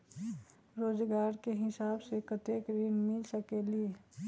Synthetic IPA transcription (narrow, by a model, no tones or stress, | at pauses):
ɾoːzɡaːɾkeɦɪsaːbsekət̪eːkɾinmɪlsəkelie